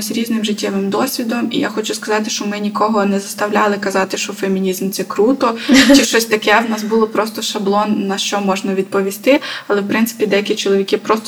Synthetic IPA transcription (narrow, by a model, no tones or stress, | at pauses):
zɾʲiznɪmʒɪtʲːɛʋɪmd̪ɔsʲʋʲid̪ɔmḭja̰xɔt͡ʃʊskɐzɑt̪ɪʃt͡ʃɔmɪnʲikɔɦɔnɛzɐst̪ɐwlʲalˠɪkɐzɑt̪ɪʃt͡ʃɔfemʲinʲizmt̪sɛkɾut̪ɔt͡ʃɪʃt͡ʃɔsʲt̪ɐkɛwnɑsbulˠɔpɾɔst̪ɔʃɐblˠɔnːɐʃt͡ʃɔmɔʒnɐʋʲid̪̚pɔʋʲist̪ɪɐlˠɛwpɾɪntsɪ̥pʲid̪ɛjɐkʲit͡ʃɔlˠɔʋʲikɪpɾɔst̪